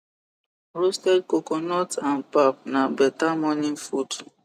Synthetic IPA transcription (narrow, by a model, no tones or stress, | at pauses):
ɾostɛd̚kokonɔtanpap̚nabɛtamɔnĩnfut